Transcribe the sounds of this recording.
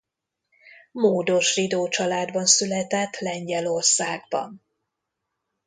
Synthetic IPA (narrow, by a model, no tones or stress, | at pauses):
moːd̪o̞ʃrid̪oːt͡ʃɒlaːd̪bɒnsylɛt̪ɛt̪lɛɲɟɛlo̞rsaːɡbɒ̰n